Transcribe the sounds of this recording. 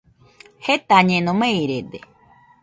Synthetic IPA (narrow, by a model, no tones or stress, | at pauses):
het̪aɲẽnõmẽiɾed̪e